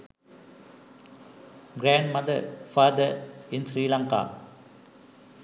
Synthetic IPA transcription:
ɡɾaːɳɖmɐd̪ɐɾfaːd̪əɾɪnsɾiːlaŋka̰ː

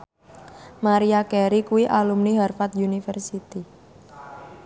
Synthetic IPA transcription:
maɾiakɛɾikuwiʔalumniɦarfat̪junifərsit̪i

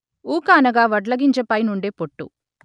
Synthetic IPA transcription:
uːkaːnɐɡaːʋɐɖlɐɡiɲt͡ʃɐpɐjnuɳɖeːpoʈːṵ

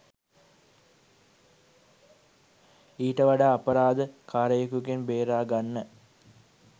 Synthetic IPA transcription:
iːʈɐʋɐɖaːpɐɾaːd̪əkʰaːɾɐjekukenbeːɾaːɡanːə

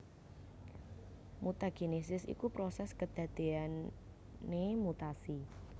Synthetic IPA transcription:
mut̪aɡ̥enesɪsḭkupɾosɛskəd̪̥ä̤d̪̥e̤an | emut̪asi

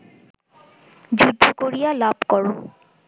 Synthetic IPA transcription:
d͡ʒud̪ʱːokoɹijalabkɔɹʊ̃

